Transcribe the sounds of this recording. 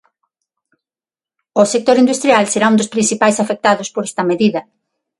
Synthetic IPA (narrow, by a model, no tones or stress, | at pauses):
osek̚t̪oɾind̪ust̪ɾjalseɾaund̪ospɾinsθipajsafek̚t̪aðospoɾest̪ɐmeðiðɐ